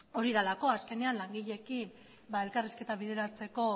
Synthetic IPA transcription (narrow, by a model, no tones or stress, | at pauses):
o̞ɾiðalako̞aske̞ne̞anlaŋɡiʎe̞kim | bae̞lkariske̞t̪aβiðe̞ɾat͡se̞ko̞